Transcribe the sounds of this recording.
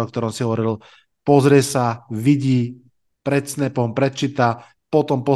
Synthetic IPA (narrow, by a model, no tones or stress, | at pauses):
ɔk̚t̪ɔɾɔmsiɦɔʋɔɾiil | pɔzɾɪɛsaʋiɟiː | pɾɛt̪snɛpɔɦɔmpɾɛt̪̚t͡ʃiːt̪a | pɔt̪ɔmpɔ